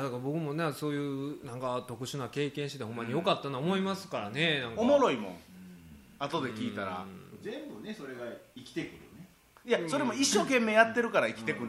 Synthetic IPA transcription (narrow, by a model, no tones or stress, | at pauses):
jad̪akabo̞kɯ̟mo̞neso̞ːjɯ̟ːnãŋkat̪o̞kɯ̟ɕɨnake̞ːkẽɕiet̪eomːaɲ̟ijo̞kat̪ːanoomo̞imasɨ̥kaɾane̞nãŋkomo̞ɾo̞imõ̞̰ŋ | at̪o̞d̪e̞kʲiːt̪aɾã̰zẽ̞mbɯneso̞ɾe̞ɡaikʲi̥t̪e̞kɯ̟ɾɯ̰ne | jaso̞ɾe̞mo̞iɕːo̞ːkẽ̞mːeːjat̪ːe̞ɾɯ̟kaɾaikʲi̥t̪e̞kɯ̟̃